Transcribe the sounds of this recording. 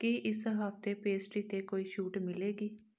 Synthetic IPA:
kiʔɪsɦəft̪eːpeːsʈiːt̪eːkoːiːʃuːʈmɪleːɡiː

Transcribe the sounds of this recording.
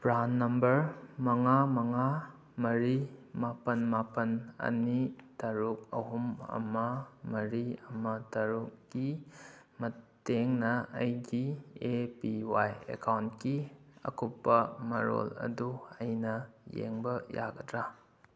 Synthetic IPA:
pɾanːɐmbɐɾmɐŋamɐŋa | mɐɾimapɐnmapɐnɐ̰nitɐɾuk̚ɐ̰ɦumɐ̰mɐmɐɾiɐmɐtɐɾukɡ̥i | mɐteŋnɐɐjɡiepiwajḛkʰawntkiɐ̰kʰupːɐmɐɾo̰lɐ̰duɐjnɐjḛŋbɐjaɡɐdɾa

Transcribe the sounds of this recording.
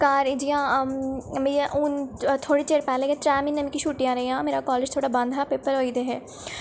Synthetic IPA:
kaːɾid͡ʒijã | mejʔʊnt̪ʰoːɽit͡ʃeːɾpɛːlẽɡẽtɾɛːmɪ̃nːɐmĩkiʃuːʈijãɾɐɦiɦãːmeːɾakɔːleːd͡ʒt̪ʰoːɽabɐ̃nd̪ʱɦɛpeːpəɾɦoːid̪eɦɛː

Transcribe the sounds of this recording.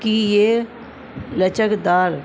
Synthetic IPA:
kijeː | lət͡ʃəkd̪aːɾ

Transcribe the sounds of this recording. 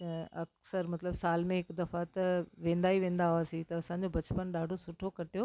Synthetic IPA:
ɐksəɾmɐt̪ləbsaːlmẽɦɪkd̪ɐfat̪ɐʋẽːn̆d̪aːiʋẽːn̆d̪aɦaːsit̪ɐɐsãːɲ̆d͡ʑobɐt͡ɕpənɗaːɖʱosʊʈʰokɐʈijoː

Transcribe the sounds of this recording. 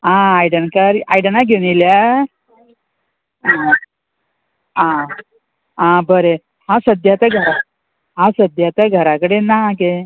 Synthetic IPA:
ãajɽəɳkəɾajɽənaɡenilja | a | ã | ãbəɾe | hãsəd̪ʱjat̪aɡʱəɾa | ɦãsəd̪ʱjat̪aɡʱəɾakəɽenaɦaɡe

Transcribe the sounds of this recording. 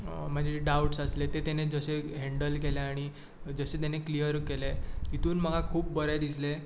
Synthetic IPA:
məd͡ʑʱeɖauʈsəslet̪et̪ened͡zəseɦeɳɖəlkeleaɽ̃i | d͡zəset̪̬eneklijəɾkelet̪it̪uːnm̤əɡakʰuːp̚bəɾad̪isle

